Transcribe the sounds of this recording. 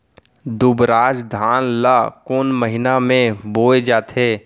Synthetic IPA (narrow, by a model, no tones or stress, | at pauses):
d̪ʊbɾaːd͡ʒd̪ʱaːnlakoːnməɦɪnamẽboːed͡ʒaːt̪ʰeː